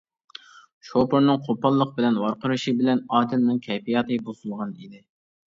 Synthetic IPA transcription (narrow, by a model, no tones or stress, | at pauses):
ʃopoɾnɨŋqʰopɑlˠːəq̚bɪlɛnwɑɾqʰəɾɨʃibɪlɛnɑːd̪ɪlnɨŋkʲʰɛjpijɑt̪ʰɨbozʊlˠʁɑnid̪ɪ